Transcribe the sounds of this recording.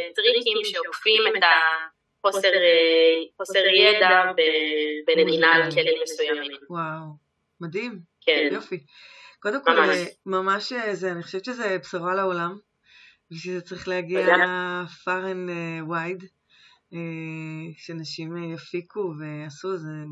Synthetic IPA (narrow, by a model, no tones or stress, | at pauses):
tʁikimʃeokfimet̪a | χoseʁeχoseʁjed̪abebeneinalkelimesujamimwaw | madimkʰejofi | ko̞d̪e̞mkolemamaʃezeaniχoʃevʃezebsavalao̞lam | veʃezet͡saʁiχlehaɡiafaʁenewajd | e | ʃeanaʃimjafikʰuve̞asuze